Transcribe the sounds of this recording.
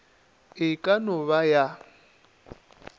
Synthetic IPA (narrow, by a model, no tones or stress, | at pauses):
ɪkʼanʊβaja